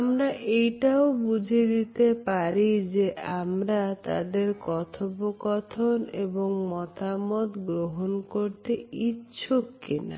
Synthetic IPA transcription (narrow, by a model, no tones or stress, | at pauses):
amɾaʔejʈaobud͡ʑʱed̪it̪epaɾid͡ʑeʔamɾat̪a̰d̪eɾkɔt̪ʰobokɔt̪ʰoneboŋmɔt̪amɔt̪ɡɾoɦonkoɾt̪eitːɕʰokːina̰